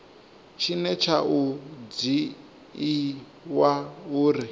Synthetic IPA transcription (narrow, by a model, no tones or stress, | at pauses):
t͡ʃʰinɛt͡ʃʰaʔud͡ziː | wauːɾi